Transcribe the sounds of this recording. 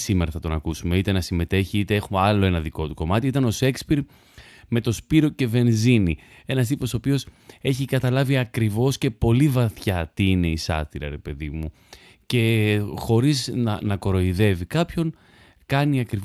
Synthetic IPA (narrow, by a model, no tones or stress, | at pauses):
simeɾɐθɐt̪o̞nɐkusume̞it̪e̞nɐsime̞t̪e̞çiit̪e̞e̞xumɐlo̞e̞nɐðiko̞t̪uko̞mɐt̪iit̪ɐno̞se̞kspiɾ | me̞t̪o̞spiɾo̞ce̞ve̞nzini | e̞nɐst̪ipo̞sopio̞se̞çikɐt̪ɐlɐviɐkɾivo̞sce̞po̞livɐθçɐt̪iine̞isɐ̰t̪iɾɐ̰ɾe̞pe̞ðimu | ce̞xo̞ɾiznɐnɐko̞ɾo̞iðe̞vikɐpço̞n | kɐniɐkɾi